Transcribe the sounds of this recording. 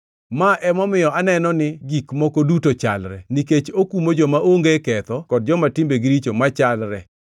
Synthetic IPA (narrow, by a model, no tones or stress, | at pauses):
maʔɛmɔmɪjɔanɛnɔnɪɡikmɔkodutot͡ʃa̰lɾɛ̰niket͡ʃokumod͡ʒɔmaʔoŋɡekɛt̪ɔkɔd̚d͡ʒɔmatɪmbeɡiɾit͡ʃomat͡ʃalɾɛ